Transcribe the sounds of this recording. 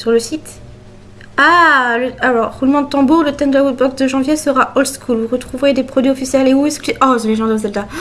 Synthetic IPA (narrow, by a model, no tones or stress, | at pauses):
syʁləsit̪ | aləalɔʁʁulmɑ̃d̪ət̪ɑ̃buʁlət̪ɛnd̪əlaot̪̚bɔksd̪əʒɑ̃vjesəʁaʔɔlskʰulvuʁət̪χuvʁed̪epχɔd̪ɥiɔfisjɛleuɛskeʔɔsɔ̃leʒɑ̃d̪ozɛld̪a